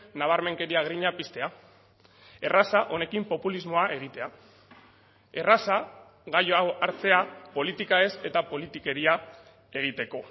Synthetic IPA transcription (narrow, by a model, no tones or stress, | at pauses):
naβaɾme̞ŋke̞ɾiaɣ̞ɾiɲapist̪e̞a | e̞rasaʔo̞ne̞kimpo̞pulizmo̞aʔe̞ɣ̞it̪e̞a | e̞rasa | ɣajoaoʔaɾt͡se̞apo̞lit̪ikae̞se̞t̪apo̞lit̪ike̞ɾia | e̞ɣ̞it̪e̞ko̞